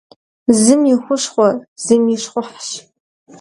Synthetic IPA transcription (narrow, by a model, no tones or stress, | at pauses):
zɨmjixʷʊʂχʷɔz̥ɨmjiʂχʷʊħʃ